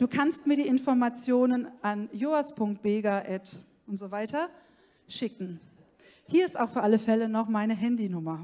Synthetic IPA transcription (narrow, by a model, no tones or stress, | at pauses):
d̥uːkʰanstmiːɐdiːʔɪnfɔɐmat͡sjoːnənʔanjoːaspʰʊŋkt̚b̥eːɡaʔɛt | ʔʊntz̥ovaɪtɐ | ʃɪkŋ̩ | hiːɐɪstaʊxfyːɐʔaləfɛlənɔχmaɪnəɦɛndinʊmɐ